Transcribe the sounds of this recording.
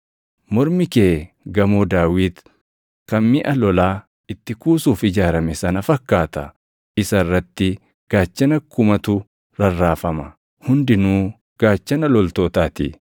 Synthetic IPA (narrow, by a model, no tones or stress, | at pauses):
mɔɾmɪkeː | ɡɐmoːd̪aːwiːt̪ | kɐnmɪʔɐlɔlaː | ɪt̪ːɪkuːsuːfɪd͡ʒaːɾɐmɛsɐnɐfɐkːaːt̪ɐ | ʔɪsɐrːɐt̪ːɪ | ɡ̥aːt͡ʃːɐnɐkʊmɐt̪ʊ | ɾɐrːaːfɐmɐ | hʊnd̪ɪnuː | ɡ̥aːt͡ʃːɐnɐlɔlt̪oːt̪aːt̪ḭ